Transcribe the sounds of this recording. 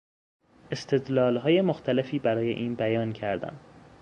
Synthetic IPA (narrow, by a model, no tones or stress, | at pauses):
e̞st̪ʰe̞d̪lɒːlɦɒːje̞moxt̪ʰæle̞fiːbæɾɒːje̞̰ʔiːnbæjɒːncʰæɾd̪æ̰m